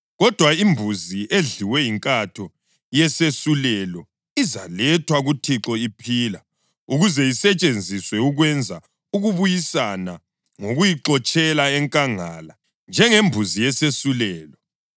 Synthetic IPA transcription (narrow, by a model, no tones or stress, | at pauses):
ɣɔd̥ʱwaimbʱuziʔeɮiwɛiŋkʼatʰɔ | jɛsesulɛlɔ | iza̰lɛtʰwaɣutʰiǁɔipʰiːla | uɣuzɛjisɛt͡ʃʼend͡zʱiswɛuɣwɛnd͡zʱa | uɣuβujisana | ŋoɣujiǁɔt͡ʃʼɛlaɛŋkʼaŋala | nd͡ʒʱɛŋembʱuzijɛsesulɛːlɔ